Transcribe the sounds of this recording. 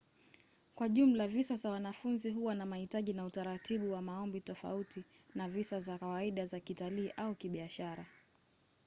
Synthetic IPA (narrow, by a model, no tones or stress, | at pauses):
kwaʄum̩lavisazawanafunziɦuwanamahitaʄinautaɾatʰiɓuwamaɔmbitɔfa̰uti | navisazakawaiɗazakitaliːʔaukiɓiaʃaɾa